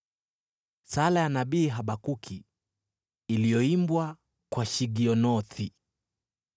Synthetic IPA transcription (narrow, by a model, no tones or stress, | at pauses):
salajanaɓiːɦaɓakukʰi | lijɔimbwa | kwaʃiɡiɔnɔθʰi